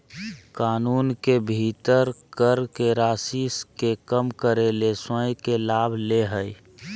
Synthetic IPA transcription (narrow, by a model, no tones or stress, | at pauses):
kaːnuːnkebʱit̪əɾkəɾkeɾaːsiskekəmkəɾelesə̃jkelaːbʱleɦəj